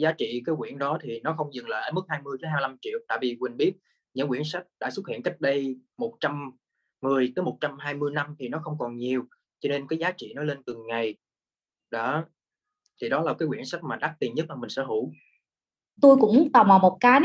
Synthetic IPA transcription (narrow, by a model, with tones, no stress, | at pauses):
zaː˨˦t͡ɕḭ˧˨kaː˨˦jxwḭ˧˩ənɗɔ˨˦t̪ʰi˨˩nɔ˨˦xə˧wŋ͡mzɨ˨˩ŋlə̰ː˧˨ʔəː˧˩˦mɨ˦˥k̚haː˧jmɨ˧əjt͡ɕi˨˦ha˧ɨ˧la˧mt͡ɕḭ˧˨əwt̪a̰ː˧˨jvi˨˩kwï˨˩ŋ̟ɓi˦˥ət̚ | ɲɨ̰˧˥ŋkwḭ˧˥ənsa˦˥k̚ɗa̰ː˧˥swə˦˥t̚hḭ˧˨əŋka˦˥jk̟̚ɗə˧jmo˨˩t̚t͡ɕa˧mː | ɨ˨˩əjt̪əː˨˦mo˨˩t̚t͡ɕa˧mɦaː˧jmɨ˧əjna˧mt̪ʰi˨˩nɔ˨˦xə˧wŋ͡mkɔ˨˩nɲi˨˩əw | t͡ɕɔ˧ne˧nkaː˨˦jzaː˨˦t͡ɕḭ˧˨nɔ˨˦le˧nt̪ɨ˨˩ŋŋa˨˩j | ɗa˨˦ | t̪ʰi˨˩ɗɔ˨˦laː˨˩kaː˨˦jkwi˧˩ənsa˦˥k̟̚maː˨˩ɗa˦˥k̚t̪i˨˩nɲə˦˥t̚maː˨˩mï˨˩ŋ̟sɛ̰˧˥ɦu˧˩˥ | t̪u˧jkʊ̰˧˥ŋ͡mt̪a˨˩wmaː˨˩wmo˨˩t̚kaː˨˦